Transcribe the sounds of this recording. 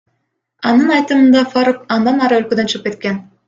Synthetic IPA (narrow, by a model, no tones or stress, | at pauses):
ɑnɯnɑjt̪ɯmɯnd̪ɑfaɾukɑnd̪ɑnɑɾɯølkød̪ønt͡ʃʰɯʁɯp̚ke̞t̪̚ke̞n